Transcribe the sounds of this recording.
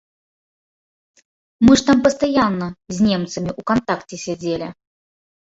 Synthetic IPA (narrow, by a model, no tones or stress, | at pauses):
mɨʂt̪ampəst̪ɐjanːəzʲnʲemt̪səmʲɪʔukɐnt̪aktʲɪsʲad͡zʲelʲɪ